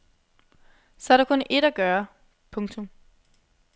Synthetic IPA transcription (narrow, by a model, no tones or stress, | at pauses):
sɒ̽æɐɾɑ̈kʰɔ̽nʔe̝ɾ̥æɡ̥ɶːɐ | pʰɔ̽ŋt͡sʰɔ̽m